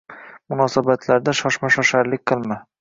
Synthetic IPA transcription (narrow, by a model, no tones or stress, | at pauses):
mʊnɒsabat̪ʰlaɾd̪aʃɒʃmaʃɒʃaɾlɪk̚ʲqʰɨlˠma